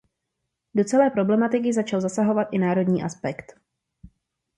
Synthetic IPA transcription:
do̞t͡sɛlɛːpɾo̞blɛmat̪ɪkɪzat͡ʃalzasaɦo̞vat̪ʔɪnaːɾo̞dɲiːʔaspɛkt̪

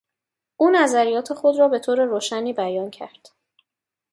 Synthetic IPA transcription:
ʔuːnæzæɾijɒːt̪ʰe̞xo̞d̪ɾɒːbe̞t̪ʰoːɾe̞ɾoːʃæniːbæjɒːncʰæ̰ɾd̪̥

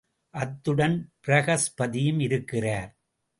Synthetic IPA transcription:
ʔɐt̪ːɯɽɐnpɪɾɐɣɐspɐðɪjɯmɪɾɯkːɪraːɾ

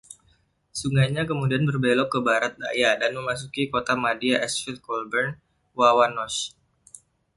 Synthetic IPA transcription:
suŋajɲak̬əmudianbərbelɔkəbaɾat̪̚dajadanməmas̬ukikot̪amadiaʔɛsfilkɔlbɛrn | wawanɔs

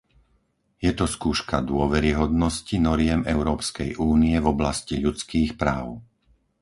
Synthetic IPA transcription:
jɛt̪ɔskuːʃkad̪ʊɔʋɛɾiɦɔd̪nɔscinɔɾɪɛmɛʊɾɔːpskɛjʔuːniɛvɔblasciʎut͡skiːxpɾaːʊ

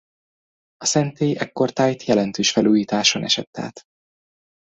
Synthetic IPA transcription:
ɒsɛnt̪eːʔɛkːo̞rt̪aːjt̪jɛlɛnt̪øːʃfɛluːjiːt̪aːʃo̰nɛ̰ʃɛ̰t̪ːa̰ːt̪

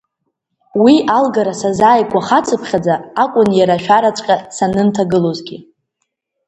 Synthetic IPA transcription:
wiʔalɡaɾasazaːjkʷʰʼaχat͡sʰʼɨpʰχʲad͡zaːkʷʼʊnjaɾaʃᶣaɾat͡sʷʼqʲʼasanɨntʰaɡɨlozɡʲi

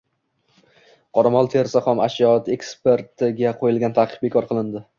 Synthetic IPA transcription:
qʰɒɾamɒlˠt̪ʰeɾsaχɒmaʃjɒt̪e̞kspe̞ɾt̪ʰɪɡʲaqʰojɪlˠɡʲant̪ʰaqʰɨ̥q̚be̞kʰɒɾqʰɨlˠɪnd̪ɪ

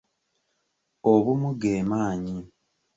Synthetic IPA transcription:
oβumuɡeːmaːɲi

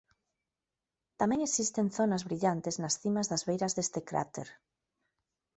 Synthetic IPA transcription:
t̪amɛ̃ŋesist̪eŋθonazβɾiʎant̪eznasθimazðazβejɾazðest̪ekɾa̰t̪ḛɾ

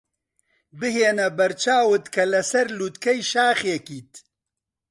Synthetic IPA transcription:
bɨɦeːnɐbɐɾt͡ʃʰaːwɨt̪kʰɐlɐsɐɾluːt̪kʰɛjʃaːxjɛkiːt̪

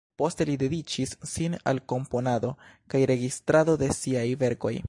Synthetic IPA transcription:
po̞ste̞lide̞dit͡ʃisːina̰lko̞mpo̞nado̞kajɾe̞ɡistɾado̞de̞siajve̞ɾko̞̰j

